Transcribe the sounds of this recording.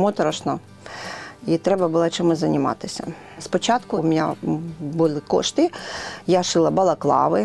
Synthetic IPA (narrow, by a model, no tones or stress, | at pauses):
mɔt̪ɾɔʃnɔ | it̪ɾɛbɐbʊlˠat͡ʃɪmʊzʲzɐnʲɪmɑ̰t̪ɪsʲɐ̰ | spɔt͡ʃɑt̪kʊmʲɪnʲa̰bʊlˠɪkɔ̰ʃt̪ɪjaʃɪlˠɐbɐlˠɐklˠɑ̰ʋɪ